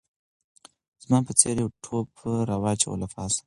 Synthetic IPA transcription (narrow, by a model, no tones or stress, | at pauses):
z̥mɑːpət͡seɾjawʈʰopɾawɑːt͡ʃao̰lafɑːs